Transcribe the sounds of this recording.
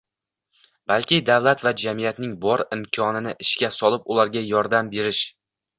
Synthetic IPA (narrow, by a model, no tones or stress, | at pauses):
b̥alˠkʲɪd̪avlˠat̪vad͡ʒamijat̪nɪŋbɒɾɪmkʲʰɒnɪnɪʔɪʃkʲasɒlˠɪpʊlaɾɡʲajɒɾd̪ambe̞ɾɪʃ